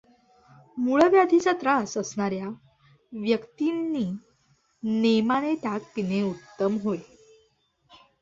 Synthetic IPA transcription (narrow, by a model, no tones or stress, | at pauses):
muɭəʋjad̪ʱit͡ɕat̪ɾasəsɳaɾja | ʋjəkt̪inːiː | nemañet̪jak̚k̪ineut̪ːəmɦoj